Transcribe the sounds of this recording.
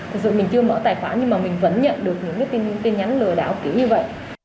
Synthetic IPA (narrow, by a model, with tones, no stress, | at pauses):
ɨ˨˩zɨ̰˧˨mï˨˩ŋ̟t͡ɕɨ˧əməː˧˥t̪aː˨˩jxwaː˨˦ɲɨ˧ŋmaː˨˩mï˨˩ŋ̟və̰˧˥nɲə̰˧˨nɗɨ˨˩ək̚ɲɨ̰˧˥ŋkaː˨˦jt̪i˧nɨ̰˧˥ŋt̪e˧nɲa˨˦nlɨ˨˩əɗaː˧˩˨pki˨˧˩əɲɨ˧və̰˧˨jʔ